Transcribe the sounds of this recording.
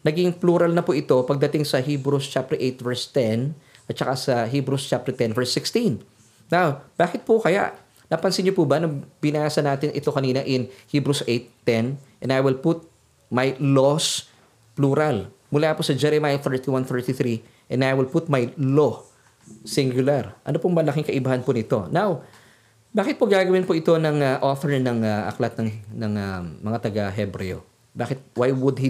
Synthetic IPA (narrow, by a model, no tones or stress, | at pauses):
nɐɡɪŋpluɾɐlnɐpʊʔɪt̪o̞pɐɡ̚d̪ɐt̪ɪŋsɐhibɾust͡ʃap̚t̪ɛɹʔejt̪vɛɹst̪ɛn | ʔɐt̪̚t͡ʃɐkasɐɦiːbɾust͡ʃap̚t̪ɛt̪ɛnvɛɹsɪkst̪ĩnː | awb̥aːkɪt̪̚pʊkɐja̰ʔ | napɐnsɪɲɲopubɐnobɪnaːsɐnaːt̪ɪnʔɪ̰t̪o̞kɐniːnɐʔɪnhiːbɾusʔejt̪ːɛnʔɛ̃najwɪlput̪̚ | mɐjlos | pluɾal | mʊlaposɐd͡ʒɛɾɛmaːjɐθɛɹt̪iwanθɛɹt̪iθɾi | ʔɛ̃nd̪ajwɪlput̪̚mɐjlo | sɪŋɡjʊlaɾʔɐ̰nopoŋmɐlɐkɪŋkɐʔɪbɐhanpʊnɪt̪o̞naw | baːkɪt̪̚poɡaːɡɐwɪnpoʔɪt̪o̞nɐŋaʔoθɛɹnɐŋaʔɐ̰klɐt̪̚nɐŋnɐŋamɐŋat̪ɐɡɐɦɛbɾɛ̰o̰ | baːkɪt̪̚wajwʊd̪hi